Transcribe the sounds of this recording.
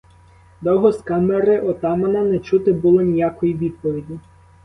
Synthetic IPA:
d̪ɔɦɔskɑmeɾɪʔɔt̪ɑmɐnɐnɛt͡ʃut̪ɪbʊlˠɔnʲijakɔjiʋʲid̪̚pɔʋʲidʲi

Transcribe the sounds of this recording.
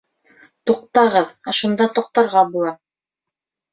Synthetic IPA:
t̪uq̚t̪ɑʁɤðæʃund̪ɑt̪uq̚t̪ɑɾʁɑbulˠɑ

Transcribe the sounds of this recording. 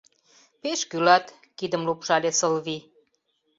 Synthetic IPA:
peʃkylɑt̪ | kid̪əmlupʃɑlʲesəlβi

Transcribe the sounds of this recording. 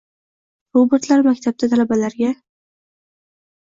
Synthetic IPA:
ɾobeɾt̪laɾmakʲt̪ʰab̚d̪at̪ʰalabalaɾɡʲa

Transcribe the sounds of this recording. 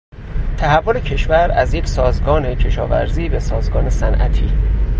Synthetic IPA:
t̪ʰæhævːolecʰe̞ʃvæɾæzje̞cʰsɒːzɡɒːne̞cʰe̞ʃɒ̰ːvæ̰ɾziːbe̞sɒːzɡɒːne̞sænʔæ̰t̪ʰiː

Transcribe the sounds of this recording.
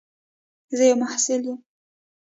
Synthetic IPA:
zəjawmahsɪljum

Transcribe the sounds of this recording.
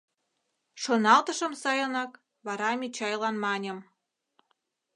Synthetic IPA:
ʃonɑlt̪əʃə̆msɑjɤnɑk | βɑɾɑmʲit͡ɕɑjlɑnmɑnʲə̆m

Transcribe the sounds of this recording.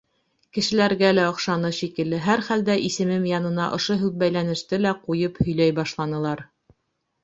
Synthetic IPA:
kɘ̆ʃɘ̆læɾɡælæŏχʃɑnɤʃikɘ̆lːɘɦæɾχæld̪æʔisɘ̆mɘmjɑnɤ̆nɑʔŏʃoɦʉk̚bæjlænɘ̆ʃt̪ɘlæqujɤphɵ̆jlæjbɑʃlˠɑnɤ̆lˠɑɾ

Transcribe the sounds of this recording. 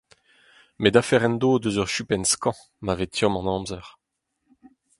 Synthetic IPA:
med̪afɛʁɛnd̪oːd̪øzœʁʃypɛnskɑ̃ | mavet̪jɔ̃mɑ̃nɑ̃ːmzɛʁ

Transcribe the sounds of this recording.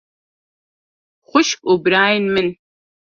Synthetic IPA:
χʷʊʃkʷʼʊbɾaːjnmɨn

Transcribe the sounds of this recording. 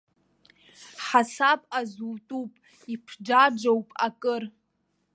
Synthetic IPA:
ħasapʼazuːtʼupʼ | ipʰd͡ʒad͡ʒowpʼakʼɨr

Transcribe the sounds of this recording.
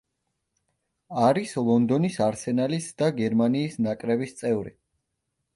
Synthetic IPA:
aɾislˠɔnd̪ɔnisaɾsɛnalisd̪aɡɛɾmaniːsnakʼɾɛbist̪sʼɛvɾḭ

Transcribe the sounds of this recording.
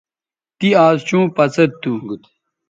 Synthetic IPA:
t̪iaːzt͡ɕũːpɐt͡sɐd̪̚t̪ːuŋɡut̪

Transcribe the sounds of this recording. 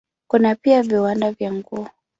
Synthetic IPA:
kunapiaviwandavjaŋɡuɔ

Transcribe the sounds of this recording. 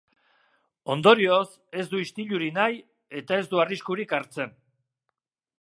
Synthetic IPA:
o̞nd̪o̞ɾio̞s | e̞zd̪uist̪iʎuɾinaj | e̞t̪ae̞zd̪uariskuɾikaɾt͡se̞n

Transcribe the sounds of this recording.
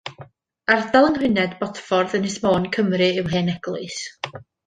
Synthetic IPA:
ardalˠənwɪnɛdbɔtfɔrðənɪsmoːnkʰəmrɨɪwɦeːnɛɡ̥lˠɨs

